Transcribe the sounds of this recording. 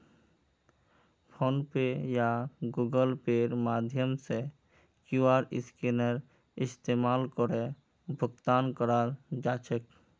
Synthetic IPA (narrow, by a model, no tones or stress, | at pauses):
pʰonpejaɡuɡəlpeɾmad̪ʱjəmse | kuaɾɪ̰skenəɾ | ɪst̪emalkɔɾe | bʱʊɡt̪ankɔɾaɾd͡ʒat͡ʃʰek